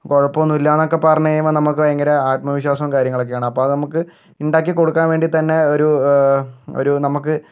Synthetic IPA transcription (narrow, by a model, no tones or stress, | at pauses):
koɻɐpːoʋonːuilːaːnːokːe̞pɐrɐɲːɐjejumonɐmukːɨʋɐjɐŋɡɐɾɐaːt̪̚mɐʋiɕwaːsɐmkaːɾjɐŋːɐɭok̬ːejaːɳɨɐpːoːɐðɨnɐmukːɨ | iɳɖaːk̬ːiko̞ɽukːaːnʋe̞ːɳɖit̪ɐnːe̞oɾu | o̰ɾunɐmukːɨ